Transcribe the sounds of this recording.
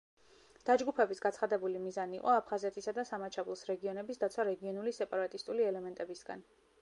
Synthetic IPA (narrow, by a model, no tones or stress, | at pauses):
d̪̥ad͡ʒɡupʰɛbisɡat̪sχad̪ɛbulimizaniːqʼɔapʰχazɛt̪ʰisad̪asamat͡ʃʰavulˠsɾɛɡiɔnɛbisd̪at̪sʰwaɾɛɡiɔnulisɛpʼaɾat̪ʼist̪ʼuliɛlɛmɛnt̪ʼɛbisɡa̰n